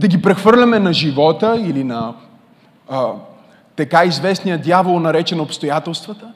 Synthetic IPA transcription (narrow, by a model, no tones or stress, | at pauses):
d̪ɐɡʲipɾɛxvɤɾlʲɐmɛnɐʒivɔt̪əilinɐ | t̪ɐkaizvɛsnijəd̪javəlˠnɐɾɛt͡ʃɛnopst̪ojat̪ɛlˠst̪vət̪ə